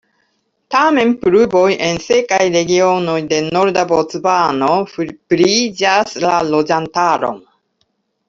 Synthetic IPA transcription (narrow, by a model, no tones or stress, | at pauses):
tame̞npɾubo̞jʔe̞nse̞kajɾe̞ɡio̞no̞jde̞no̞ɾdabo̞t͡sbano̞fpɾid͡ʒaslalo̞d͡ʒantaɾo̞̰m